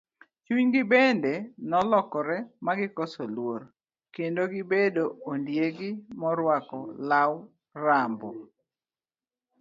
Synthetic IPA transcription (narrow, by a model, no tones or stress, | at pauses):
t͡ʃuɲɡɪbendɛnɔlɔkɔɾɛmaɡɪkɔsolwoɾ | kendoɡɪbedoondjeɡɪmɔɾwakɔlaw | rambɔ